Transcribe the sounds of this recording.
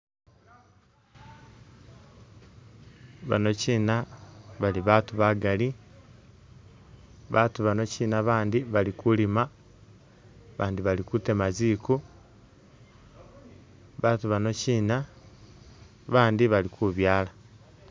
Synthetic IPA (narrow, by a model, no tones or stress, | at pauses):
βa̰no̞ciːnaβaliβaːtuβaɡali | βaːtuβano̞ciːnaβaːndiβalikulima | βaːndiβalikutemaziːku | βaːtuβano̞ciːna | βaːndiβalikʰuβjaːla